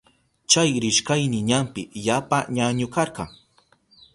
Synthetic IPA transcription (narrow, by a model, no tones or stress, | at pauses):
t͡ʃajɾɪʃkajnɪɲampɪjapaɲaɲʊkɑɾɢɑŋ